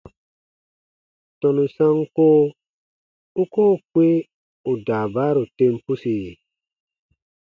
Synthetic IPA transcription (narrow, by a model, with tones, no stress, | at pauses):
tɔ̃˨nu˨sã˦ŋkoː˦ | u˦koː˦˨kwe˦ | u˨daː˨baː˦ɾu˨tẽ˧mpu˦si˨